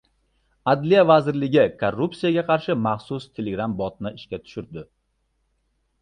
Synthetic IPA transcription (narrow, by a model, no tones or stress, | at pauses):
ad̪lijavazɪɾlɪɡʲɪkʰorːupsijaɡʲaqʰɑɾʃɪmɑχsʊst̪ʰe̞lʲeɡɾambɒt̪̚nɪɪʃkʲat̪ʰʊ̥ʃʊɾd̪ɪ